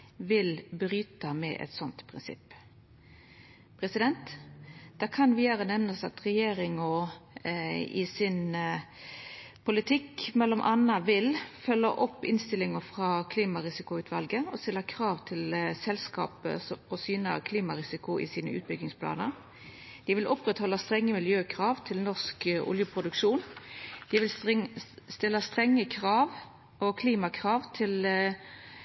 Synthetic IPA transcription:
ʋɪlbɾyːt̪əmɛ̰ʔɛ̰t̪sɔnt̪pʰʁɪnsɪ̰pː | pʰʁɛsɪd̪ɛnt̪d̪̥ɛːkʰɑnʋiːəɾənɛʋnəsɑt̪ʁɛjeːɾɪŋɔ | ɪ̰sɪn | pʰʊlɪt̪ʰɪkːmɛlːɔmʔɑnːɑʋɪlfœlːəʔɔpːɪnst̪ɪlɪŋəfʁɑːkʰliːmɑɾɪsɪkʊʉːt̪ʰʋɑlɡəɔst̪ɪlːəkʰɾɑːʋt̪ʰɪlsɛlskɑ̰ːpə̰ɔsyːnəə̰kʰliːmɑʁɪsɪkʊʔɪ̰siːnə̰ʉːt̪̚bʏɡɪŋspʰlɑ̰ːnəʁ | d̪̥ɪʋɪlʔɔpʁɛt̪hɔlːɑst̪ʁɛŋːəmɪljøːkʰʁɑːʋt̪ʰɪlnɔʁskʔʊ̰ljəpʰʁʊd̪ʉkʂuːnd̪̥ɪʋɪl | st̪ɪlːəst̪ʁɛŋːəkʰʁɑːʋ | ɔkʰliːmɑkʰʁɑːʋt̪ʰɪl

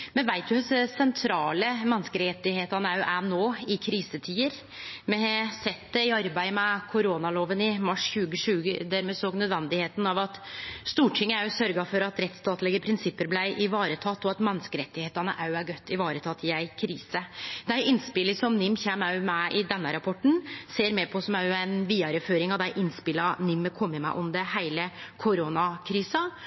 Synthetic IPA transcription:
mɛnʋæɪt̪̚d̪ʉhʉsəsɛnt̪ʰɾɑːləmɛnskəɾɛt̪ːɪheːt̪ɑnəɑʉʔænoːɪkʰɾiːsət̪ʰiːəɾ | mɛsɛt̪d̪ɛɪɑɾbæɪmɛkʰʊɾoːnɑloːʋənɪmɑʂçʉːɡəʂʉːɡə̰d̪æːɾmeːsoːɡnœd̪ʋɛnd̪ɪheːt̪nɑʋɑt̪st̪uːʈʰɪŋːəʉsœɾɡɑfɔɾɑt̪ɾɛt̪st̪ɑːt̪lɪɡəpʰɾɪnsɪpːəɾblæɪʔɪʋɑːɾət̪ʰɑt̪ːɔɑt̪mɛnːəskəɾɛt̪ːɪheːt̪ɑnə̰ʔɑʉæɾɡœt̪ːɪʋɑːɾət̪ʰɑt̪ʰːjæɪkʰɾiːsəd̪æɪʔɪnspɪləsɔmnɪmːçæːmɑmæʔɪd̪ɛnːəɾɑpʰɔʈːɳ̩seːɾmɛpʰɔsɔmɑʊæɪnʋiːɑɾəføːɾɪŋɑʋd̪æɪʔɪnspɪlɑnɪmːəkʰɔmːəmæ̰ɪʔɔmd̪ɛhæɪləkʰʊɾoːnɑkʰɾiːsɑ

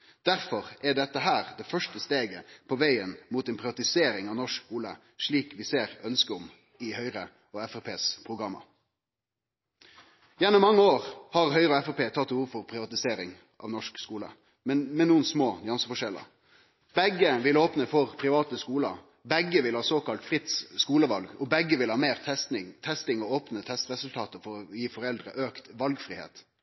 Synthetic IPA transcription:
d̪̥æɾfɔʁɛɖɛt̪ːəɦæːʁd̪ɛfœʂʈəst̪eːɡəpʰɔʋæɪənmuːt̪ɛnpʰʁɪʋɑt̪ɪseːɾɪŋɑʋnɔʂkskuːlə̰ | ʂɭiːkʋɪseːɾœnskəɔm | ɪhœʏɾə | ɔɛfɛpʰeːspʰʁʊɡɾɑmːə̰ | jɛnːʊmːɑŋːəoːʁhɑʁhœʏɾəɔɛfɛpeːt̪ʰɑt̪ːhuːʋfɔʁpʰɾɪʋɑt̪ɪseːɾɪŋ | ʔɑ̰ʋnɔʂkskuːlə̰ | mɛmɛnuːənsmoːnɪɑnsəfɔʂɛlːə̰ | bɛɡəʋɪloːpnəfɔʁpʰɾɪʋɑːt̪əskuːlə̰ | bɛɡəʋɪlhɑːsoːkɑlt̪fʁɪt̪sskuːləʋɑlɡɔbɛɡəʋɪlhɑːmeːʁt̪ʰɛnɪŋt̪ʰɛst̪ɪŋɔoːpnət̪ʰɛst̪ɾɛsʉlt̪ʰɑːt̪əfɔɾɔjiːfɔɾɛld̪ɾə̰ʔøːkt̪ʋɑlɡfʁɪːhḛːt̪

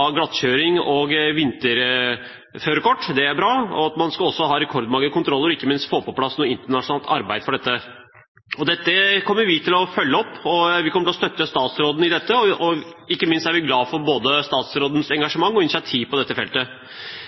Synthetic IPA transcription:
ɑɡlɑt̪ːɕøːɾɪŋɔɡʋɪnt̪əɾ | føːɾkʰɔʈːd̪ɛæɾbɾɑːɔ̰ɑt̪mɑnskɑɔsːɔɦɑːɾɛkʰɔɾd̪mɑŋːəkʊnt̪ʰɾɔlːəɾɔɪkːəmɪnst̪foːpɔpʰlɑsnuːəɪnt̪əɳɑʂnɑːlt̪ɑ̰ɾbæɪd̪fɔɖɛt̪ːə | ɔd̪ɛt̪ːəkʰɔmːəɾʋɪt̪ʰɪlɔfœlːəɔpːɔʋɪkɔməʈ̪lɔst̪œt̪ːəst̪ɑːt̪sɾoːd̪n̩ɪd̪ɛt̪ːəɔɔɪkːəmɪnst̪æɾʋɪɡlɑːfɔɾboːd̪əst̪ɑːt̪sɾoːd̪n̩sɛŋɡɑʂəmɑŋːɔɪnɪsɪɑt̪ʰiːʋpʰɔd̪ɛt̪ːəfɛlt̪ə

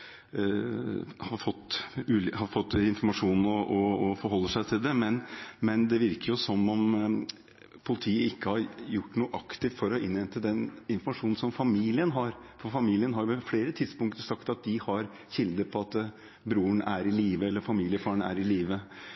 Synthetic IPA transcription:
hɑɾfɔt̪ːʉːlhɑɾfɔt̪ːɪnfɔɾmɑʂuːnn̩ɔʔɔɔfɔɾɦɔlːəʂæɪt̪ʰɪld̪ɛmɛnmɛnd̪ɛʋɪɾkəɾjʊsɔmːɔm | pʰʊlɪt̪ʰiːəɪkːəhɑɾjʊʈːnuːəʔɑkt̪ɪft̪fɔɾɔʔɪnʋɛnt̪əd̪ɛnɪnfɔɾmɑʂuːnn̩sɔmfɑmiːlɪənɦɑɾfɔfɑmiːlɪənɦɑɾmɛfleːɾət̪ʰɪd̪spʊŋkt̪əɾsɑkt̪ɑt̪̚d̪ɪhɑɾ | çɪld̪əpʰɔɑt̪ | bɾuːəɳʔæɾɪliːʋəɛlːəɾfɑmiːlɪəfɑːɾəɳæ̰ɾɪliːʋə

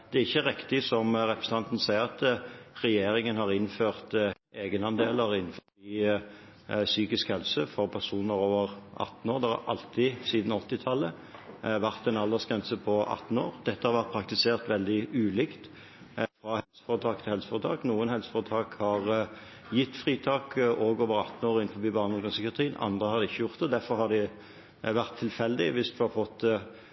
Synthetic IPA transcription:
d̪̥ɛæɾɪçːəʁɪkt̪ɪsɔmɾɛpɾʁəs̩n̩ɑnt̪n̩sæɪəʁɑt̪ʁɛjeːɾɪŋənhɑʁɪnføːʁt̪ | eːɡənɑnd̪eːləʁɪn̩ːfɔ | i | syːkɪskhɛlsəfɔʁpʰæʁsuːnəɾoːʋəʁʔɑ̰t̪ːn̩oːʁd̪ɛhɑ̰ɾʔɑ̰lt̪ʰɪsiːd̪n̩ɔt̪ːɪt̪ʰɑlːə | ʋæʁt̪ɛnɑlːɑsɡʁɛnsəpʰɔʔɑ̰t̪ːn̩oːʁd̪̥ɛt̪ːəhɑɾʋæʁt̪̚pʰɾɑk̚t̪ɪseːʁt̪ʋɛld̪ɪʉːlɪːkt̪ | fʁɑhɛlsə̥fɔʁət̪ʰɑːkt̪ʰɪlhɛlsə̥fɔʁət̪ʰɑːknuːənhɛlsə̥fɔʁət̪ʰɑːkhɑʁ | jɪt̪ːfʁiːt̪ʰɑːkʔoːɡoːʋəʁɑ̰t̪ːn̩oːʁɪnfɔbiːbɑːʁnɔɡ̪ɑskʰːɑʁt̪ʰʁiːənɑ̰nd̪ʁəhɑɾd̪ɛɪçːəjʊʁt̪̚d̪ɛd̪æʁfɔɾhɑd̪ɪ | ʋæʁt̪ʰːɪlfɛld̪ɪʋɪsd̪ʉhɑfɔt̪ː

